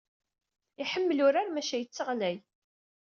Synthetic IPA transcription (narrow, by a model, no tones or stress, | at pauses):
iħəmːlʊɾaɾmæʃæjət͡sːəʁlæj